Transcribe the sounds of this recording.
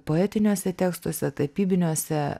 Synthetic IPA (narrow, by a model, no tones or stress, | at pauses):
poːɛːt̪ʲɪnʲuːsʲɛt̪ʲeːkst̪uɔsʲɛt̪ɐpʲiːbʲɪnʲuɔsʲɛ